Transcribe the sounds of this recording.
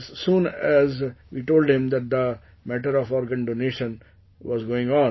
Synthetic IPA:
zsũːnæzʋiːʈoːlɖɪ̃md̪æʈ̚d̪ə | mæʈəɾɔfɔːɾɡə̃nɖoneːʃə̃n | ʋɔːzɡoːɪ̃ŋɡɔ̃ː

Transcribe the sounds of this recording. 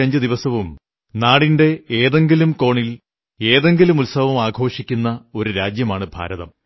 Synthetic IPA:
ɐɲd͡ʑɨd̪iʋɐsɐʋum | naːɽinde̞eːðe̞ŋɡilumko̞ːɳil | e̞ːðe̞ŋɡilumulsɐʋɐmaːɡʱo̞ːʂikʲːunːɐo̞ɾuɾaːd͡ʑjɐmaːɳɨbʱa̰ːɾɐðɐ̰m

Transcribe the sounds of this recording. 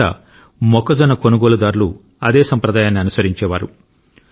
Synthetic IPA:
ɐ̰ | mɔkɐd͡ʒɐnɐkonuɡoːlud̪aːɾulu | ɐd̪eːsɐmpɾɐd̪aːjaːnːiɐnusɐɾiɲt͡ʃɛːʋaːɾu

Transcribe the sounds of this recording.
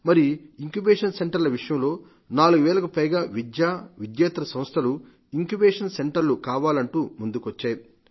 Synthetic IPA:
mɐɾiiŋkjubeːʂɐnse̞ɳʈɐɾlɐʋiʂɐjɐmlo̞ː | naːluɡuʋɛːlɐkupɐjɡaːʋid̪jaːʋid̪jaːt̪ɾɐsɐmɐst̪ʰɐlu | iŋkubeːʂɐnse̞ɳʈɐɾlukaːʋaːlɐɳʈuːmund̪ukʋɐt͡ʃːaːji

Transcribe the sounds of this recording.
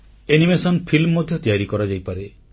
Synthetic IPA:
enimesɔnpʰilmːɔd̪ʱjɔt̪ijaɾikɔɾad͡ʒajpaɾe

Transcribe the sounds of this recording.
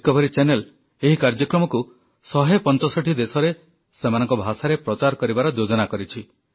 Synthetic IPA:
kɔbʱɔɾit͡ʃenel | eɦikaɾd͡ʒɔkɾɔmɔku | sɔɦepɔnt͡ʃɔsɔʈʰid̪esɔɾe | semanɔ̃ŋkɔbʱasaɾepɾɔt͡ʃaɾkɔɾibaɾɔd͡ʒod͡ʒɔnakɔɾit͡ʃʰi

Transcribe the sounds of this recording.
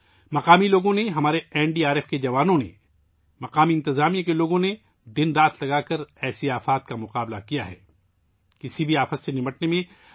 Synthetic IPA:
mɐqaːmiloːɡõneɦɐmaːɾeɛːɳɖiːaːɾɛːfked͡ʒɐʋaːnõnḛ | mɐqaːmiɪ̃nt̪ɪzaːmijakeloːɡõne | d̪ɪnɾaːt̪lɐɡakɐɾɛːsiaːfaːt̪̚kamʊqaːbla̰kijaɦɛ̰ː | kɪsibʱiaːfəsːenɪməʈnemẽ

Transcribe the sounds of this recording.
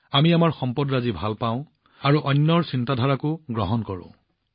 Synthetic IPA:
amiamaɹxɔmpɔdɹazibʱalpaʊ̃ | aɹuʔɔnːɔɹsintadʱɔɹakʊɡɹɔɦɔnkɔɹʊ̰̃

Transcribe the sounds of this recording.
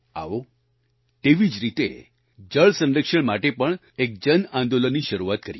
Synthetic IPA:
a̰ʋo | t̪eʋid͡ʒɾit̪e | d͡ʒəɭsə̃nɾəkʃəɳmaʈepəɳ | ek̚d͡ʒənãnd̪olənːiʃəɾuʋat̪̚kəɾji

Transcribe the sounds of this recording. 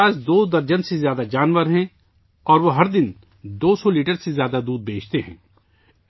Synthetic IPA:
aːzd̪oːd̪ɐɾd͡ʒənsezjaːd̪ad͡ʒaːnʋəɾɦɛ̃ | ɔːɾʋoɦɐɾd̪ɪn | d̪oːsɔliːʈəɾsezjaːd̪ad̪uːd̪̚beːt͡ʃt̪eɦɛ̰̃ː

